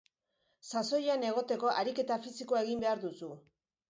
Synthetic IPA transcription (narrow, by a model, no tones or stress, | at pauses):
saso̞jane̞ɣ̞o̞t̪e̞ko̞ʔaɾike̞t̪afisikoae̞ɣimbe̞aɾðusu